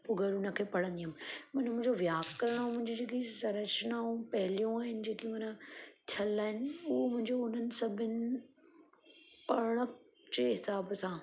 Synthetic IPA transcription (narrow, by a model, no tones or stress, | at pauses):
pʊɡʱəɽũnɐkʰeːpɐɽ̤ə̃nd̪immɐnmʊ̃ɦɪ̃ɲd͡ʑoʋjaːɡkːɐɾəɽ̃mʊ̃ɦɪ̃ɲd͡ʑid͡ʑeːkisɐɾəʃnaːũpɐɦɪlijũaːɦɪnɪ̆d͡ʑeːkimɐnət̪ʰəlːaːɦɪnɪʊɦomʊ̃ɦɪ̃ɲd͡ʑoʊn̤ənɪ̆sɐbʱɪnɪ̆ | pɐɾɽ̃ə | d͡ʑeɦɪsaːbsãː